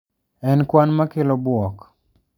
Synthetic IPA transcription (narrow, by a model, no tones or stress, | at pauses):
ɛnkwanmakɪlɔbwɔk